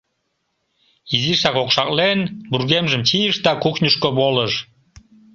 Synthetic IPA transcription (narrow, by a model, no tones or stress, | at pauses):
iziʃɑkokʃɑklenburɣemʒəmt͡ɕijəʃd̪ɑkuknʲuʃkoβoləʃ